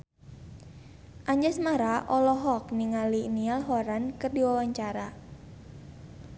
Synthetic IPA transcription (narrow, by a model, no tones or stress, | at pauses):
ʔaɲd͡ʒɛsmaɾaʔɔlɔɦɔkniŋalinialɦɔɾankɨrdiwawaɲt͡ʃaɾa